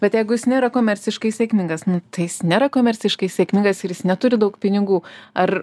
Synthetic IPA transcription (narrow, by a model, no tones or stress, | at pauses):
bʲɛt̪jɛɪɡʊjɪsnʲeːɾɐkoːmʲɛɾʲt͡sʲɪʃkɐɪsʲeːkmʲɪŋɡɐsnʊt̪ɐɪjɪsnʲeːɾɐkoːmʲɛɾʲt͡sʲɪʃkɐɪsʲeːkmʲɪŋɡɐsɪɾjɪsnʲɛt̪ʊɾʲɪd̪ɐʊkpʲɪnʲɪɡuːɐr